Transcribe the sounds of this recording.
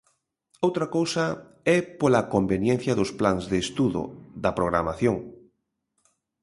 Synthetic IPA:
owt̪ɾakowsɐ | ɛpolakombenjɛn̟θjɐðʊsplaŋzðest̪uðʊ̰ðɐpɾoɣɾamaθjoŋ

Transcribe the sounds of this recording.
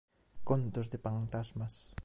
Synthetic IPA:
kont̪osd̪epant̪asmas

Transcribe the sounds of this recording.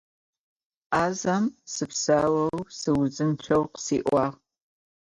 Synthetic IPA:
aːzɐmsɨpsaːwɐwsɨwzɨnt͡ʃʷʰɐwqsiːʔʷɑːʁ

